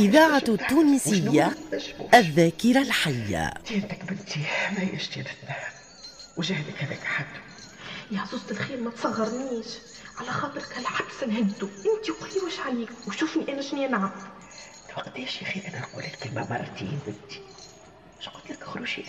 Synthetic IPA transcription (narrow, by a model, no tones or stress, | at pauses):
ʔɪðaːʕat̪ːuːnisɪjːaæʃbṵːʔæðːæːkiɾalħajːa̰t̪int̪ækbɪnt̪imæjɪʃt̪inɪt̪næh | wʒæːhɪd̪əkhæðɛːkʔaħad̪ːu̥ | jaħzuːzˤt̪ɪlxiːɾmæt̪sˤɑɣːɑɾˤniːʃ | ʕalæxɑːt̪ˤɨɾkælħabsnɦɪd̪t̪uʔɪnt̪iqʊlːiwəʃʕaliːkwʃʊfniʔæːnæʃniænʕam | lwɑqt̪ɛːʃjæxiːʔænælqṵlɪlkɪlmæ̰mɑ̰ɾˤɾt̪ḭːnbɪnt̪i̥ | ʃqʊt̪lækxɾuʃi